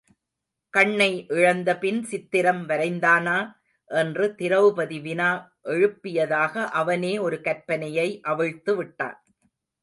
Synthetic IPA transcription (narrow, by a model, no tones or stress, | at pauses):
kɐɳːɐɪʔɪɻɐnd̪ɐpɪnsɪt̪ːɪɾɐmʋɐɾɐɪnd̪aːnaː | ʔɛndrɯt̪ɪɾɐʋɯpɐðiʋɪnaːʔɛɻɯpːɪjɐðaːɣɐʔɐʋɐneːɔɾɯkɐɾpɐnɐjɐɪʔɐʋɐɻt̪ːɯʋɪʈːa̰ːn